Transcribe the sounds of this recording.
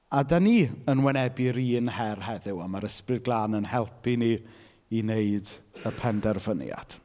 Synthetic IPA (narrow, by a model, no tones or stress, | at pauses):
adaniːənwɛnɛbiɾiːnhɛrhɛðɪwamaɾəsprɨd̚ɡlˠaːnənhɛlˠpʰini | ineɨdəpʰɛndɛrvənja̰d̥